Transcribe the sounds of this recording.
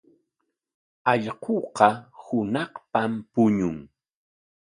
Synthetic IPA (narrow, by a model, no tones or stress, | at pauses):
ɑʎqoqɑhʊnɑhpampʊɲʊŋ